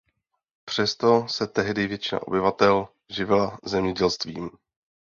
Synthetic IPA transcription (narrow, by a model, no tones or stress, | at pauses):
pr̝̥ɛst̪o̞sɛt̪ɛɦdɪvjɛt͡ʃɪna̰ʔo̞̰bɪvat̪ɛl | ʒɪvɪlazɛmɲɛɟɛlst̪viːm